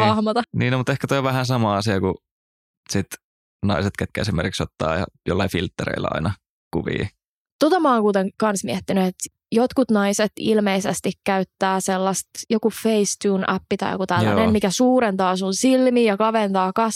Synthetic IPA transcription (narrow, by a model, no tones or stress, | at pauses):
hɑhmot̪ɑniːnomut̪ehkæt̪oiʋæhænsɑmɑɑsiɑku | sit̪ | nɑiset̪ket̪̚kæesimerkiksot̪ːɑ̰ːjɑ̰jo̰lːɑifilt̪ːeɾḛilːˑæɑ̰inɑ | kṵʋḭː | t̪ot̪ɑmɑːŋkut̪eŋkɑnsmiɛt̪ːinyet̪ | jot̪kut̪nɑiset̪ḭlmeisest̪ikkæyt̪ːæːselːɑst̪jokufeist̪uːnæpːit̪ɑ̰jo̰kut̪æljːæ̰nemikæsuːɾent̪ɑːsunsilmiːjɑkɑʋent̪ɑːkɑs